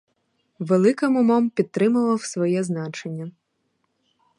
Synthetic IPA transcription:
ʋelˠɪkɪmʊmɔmpʲid̪̚t̪ːɾɪmɐlˠɐwsʋɔjɛznɑt͡ʃenʲːɐ

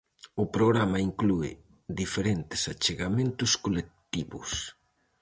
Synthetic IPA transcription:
ʊpɾoɣɾamaiŋkluɪ̰ | d̪ifeɾent̪ɪ̥sat͡ʃeɣamẽnt̪ʊskolek̚t̪iβʊ̰s

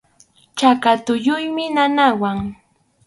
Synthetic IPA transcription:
t͡ʃakat̪ʊʎʊjmɪnanawaŋ

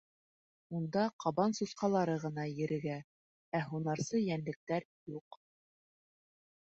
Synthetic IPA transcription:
und̪ɑqɑβɑnsusqɑlˠɑɾɤʁɤ̆nɑjɘ̆ɾɘ̆ɡæ | æɦunɑɾsɤjænlɘ̆k̚t̪æɾ | juq

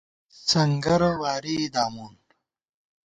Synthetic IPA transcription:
t͡sɐŋɡɐɾɐwaːɾid̪aːmuːn

